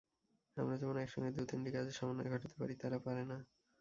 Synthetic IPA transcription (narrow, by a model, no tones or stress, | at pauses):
amɾad͡ʑɛmonoɛkʃɔ̰ŋɡed̪ut̪inʈikad͡ʑeʃɔmanoeɡʱɔʈat̪e̥paɾit̪aɾapaɾena